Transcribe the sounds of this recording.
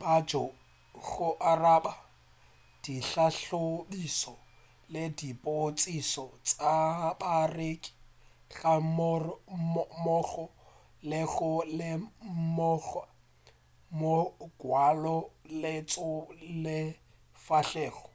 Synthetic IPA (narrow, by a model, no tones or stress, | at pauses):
bad͡ʒɔ | ɣʊʔaraːba | d̥iɬaɬobisɔ | lɪdipʼot͡sʼisɔt͡sʼabarekʼi̥ | ɣam | mɔɣɔ | lɪɣʊlɪmɔɣa | moɡ̥walɔlɪt͡sʼʊlɪ | faɬɛːɣɔ